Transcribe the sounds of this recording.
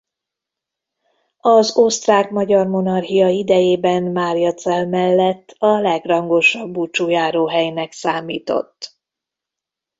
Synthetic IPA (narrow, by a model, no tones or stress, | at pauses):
ɒzost̪raːkmɒɟɒrmo̞nɒrɦijɒid̪ɛjeːbɛnmaːɾijɒt̪sɛlmɛlːɛt̪ːɒlɛɡrɒŋɡo̞ʃɒbːut͡ʃuːjaːɾoːɦɛjnɛksaːmiːt̪o̞̰t̪ː